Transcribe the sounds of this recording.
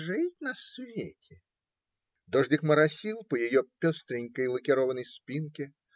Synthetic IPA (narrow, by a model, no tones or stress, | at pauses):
ʐɨt̚ʲnɐsvʲetʲʰɪ | d̪ɔʐdʲɪkməɾɐsʲilˠpəjɪjɔpʲɔst̪ɾʲɪnʲkəjlˠəkʲɪɾovənəjspʲinkʲɪ